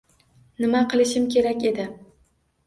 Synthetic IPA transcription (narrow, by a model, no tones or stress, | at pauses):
nɪmaqʰɨlˠɪʃɪmkʲʰe̞ɾakʲe̞d̪ɪ